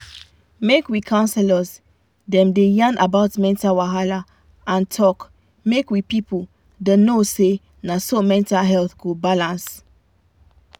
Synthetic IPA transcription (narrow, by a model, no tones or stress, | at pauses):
mekwikʰãʊ̃nsɛləz | dɛ̃mdejãnabaʊtmɛ̃ntawaɦala | ãntʰɔk | mekwipipə | denose | nasomɛ̃ntalɦɛlθɡobalãns